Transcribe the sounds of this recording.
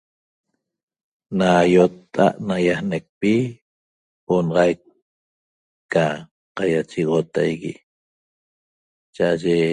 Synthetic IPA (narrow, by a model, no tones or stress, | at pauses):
najot̪ːa̰ʔnajahnek̚pi | onɑʁɑjk | a | qajat͡ʃiɣot̪ajɣi | t͡ʃaʔaʒe